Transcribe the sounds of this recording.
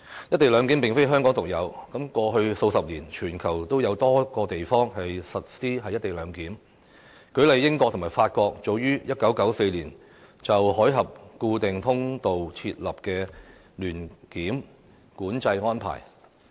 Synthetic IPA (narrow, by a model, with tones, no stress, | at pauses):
jɐ˥t̪e˨jlœː˨˧ŋki˨˥mpɪ˨ŋfe˥jɦœː˥ŋkɔː˨˥ŋt̪ʊ˨k̚jɐ˨˧wkɐ˨˥mkɔː˧ɦɵ˧ɥso˧wsɐ˨p̚liː˨˩nt͡ʃʰyː˨˩nkʰɐ˨˩wt̪o˥wjɐ˨˧wt̪ɔː˥kɔː˧t̪e˨jfɔː˥ŋhɐ˨jsɐ˨t̚siː˥ɦɐ˨jt̪e˨jlœː˨˧ŋkiː˨˥m | kɵ˨˥lɐ˨˩jːɪ˥ŋkɔː˥˧k̚t̪ʰʊ˨˩maː˨˩jfaː˧t̚kɔː˧k̚t͡so˨˧wjyː˥jɐ˥t̚kɐ˨˥wkɐ˨˥wse˧jliː˨˩n | t͡sɐ˨wɦɔː˨˥jɦɐ˨p̚kuː˧t̪ɪ˨ŋt̪ʰʊ˥ŋt̪o˨wt͡sʰiː˧t̚lɐ˨p̚kɛː˧ | lyː˨˩nkiː˨˥m | kuː˨˥nt͡sɐ˧jŋɔː˥npʰa̰ː˨˩j